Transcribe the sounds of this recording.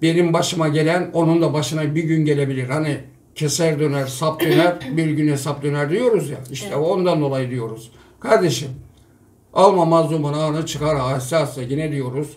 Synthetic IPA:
be̞nimbaʃɯmaɟe̞lʲæno̞nund̪abaʃɯnabiɟynɟe̞lʲe̞bilʲiɾhani | cʰe̞sæɾd̪ø̞næɾsap̚d̪ø̞næɾbiɾɟynhe̞sap̚d̪ø̞næɾd̪ijo̞ɾuzjaiʃt̪ʰɛond̪and̪o̞lˠajɯd̪ijo̞ɾuz̥ | kʰaɾd̪e̞ʃim | alˠmamazlˠumunaːnɯt͡ʃʰɯkaɾɦaːsaːsajinɛd̪ijo̞ɾuz̥

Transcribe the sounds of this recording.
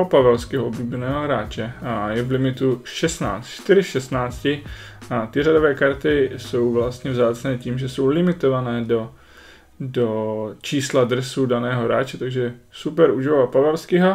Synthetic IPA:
opavɛlskɛɦoʔobliːbɛnɛːɦoɦɾaːt͡ʃɛjɛvlɪmɪt̪uʃɛst̪na̰ːt͡st̪t͡ʃt̪ɪɾɪʃɛst̪naːt͡scɪ | at̪ɪradovɛːkaɾt̪ɪso̞wvlast̪ɲɛvzaːt͡snɛːciːmʒɛso̞wlɪmɪt̪o̞vanɛːdo̞ | dot͡ʃiːsladrɛsudanɛːɦo̞ɾa̰ːt͡ʃɛt̪aɡʒɛsupɛɾuʒɪvalpavɛlskɪɦo

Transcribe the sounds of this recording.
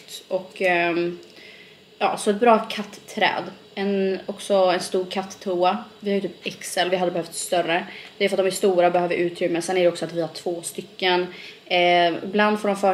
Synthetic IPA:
t̪ɔkː | jɑ̰ːsɔɛt̪̚bɾɑːkʰat̪ʰːɾɛ̰ːd̪ | ɛnɔksɔɛnst̪uːɾkʰat̪ʰːuːavɪhaɾjɵt̪yːpɛksɛlvɪhad̪ːəbɛhœft̪sst̪œɾəd̪ɛːjʉfat̪d̪ɔmæst̪uːɾabɛhøːvəɾʔʉ̟ːt̪ɾʏmːəsɛnːæɖɛɔksɔat̪vɪhaʈʰv̥oːst̪ʏkːən | ɪ̰bland̪fɔɖɔmfœː

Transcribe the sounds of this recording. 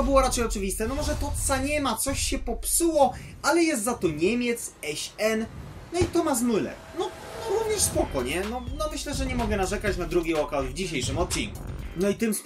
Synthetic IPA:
ɔbɘwɔɾat͡ʂɛjɔt͡ʂɘvʲist̪ɛnɔmɔʐɛt̪ɔt̪saɲɛmat̪sɔɕɕɛpɔpsuwɔ | alɛjɛst̪zat̪ɔɲɛmʲjɛt̪sɛɕɛn | nɔit̪ɔmas̬mulɛ̰knɔ | ɔɾuvɲɛʂspɔkɔɲɛnɔnɔmɘɕlɛʐɛɲɛmɔɡɛnaʐɛkat͡ɕnad̪ɾuɡʲejɔkawd̪vd͡ʑiɕejʂɘmɔt̪̚t͡ɕḭŋkṵnɔit̪ɘms

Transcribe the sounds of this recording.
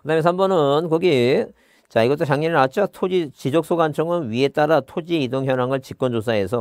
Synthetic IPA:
kɯdamensʰambʌnɯnkʌɡi | t͡ɕaiɡʌt͈ot͡ɕaŋɲinɯɾat͡ɕʰiatʰod͡ʑit͡ɕid͡ʑok̚s͈oɡant͡ɕʰʌŋɯnɥie̞t͈aɾatʰod͡ʑiidoŋɦjʌnaŋɯɭt͡ɕik͈̚ʌnd͡ʑosʰae̞s̬ʰʌ

